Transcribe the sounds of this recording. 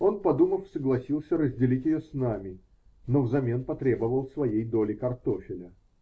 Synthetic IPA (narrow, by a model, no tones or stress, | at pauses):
o̞npɐd̪uməfsəɡlˠɐsʲilˠsʲəɾəzʲdʲɪlʲitʲjɪjosnamʲɪ | no̞vzɐmʲe̞npɐt̪ɾʲe̞bəvəlˠsvɐjejd̪o̞lʲɪkɐrt̪o̞fʲɪlʲə